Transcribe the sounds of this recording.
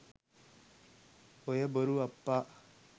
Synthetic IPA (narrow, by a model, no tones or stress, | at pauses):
ojɐbəɾuɐpːa